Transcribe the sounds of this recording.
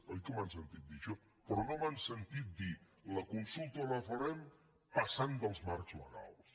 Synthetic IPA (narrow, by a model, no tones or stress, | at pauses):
ojk̪omansənt̪it̪̚d̪iʃɔ | pɾɔnomansənt̪it̪̚d̪i | ləkunsulˠt̪ələfəɾɛm | pasand̪əlˠzmaɾt͡ʃβə̰na̰lˠs